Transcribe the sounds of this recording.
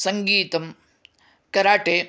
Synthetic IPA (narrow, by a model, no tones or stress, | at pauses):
sɐŋɡiːt̪ɐm | kɐɾaːʈeː